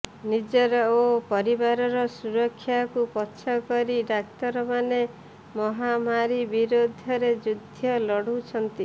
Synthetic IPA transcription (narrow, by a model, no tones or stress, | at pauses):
nid͡ʒɔɾɔopɔɾibaɾɔɾɔsuɾɔkʰːjakupɔːʃʰɔkɔɾiɖakt̪ɔɾɔmane | mɔɦamaɾibiɾod̪ʱɔɾed͡ʒud̪ʱjɔlɔɽut͡ʃʰɔnt̪i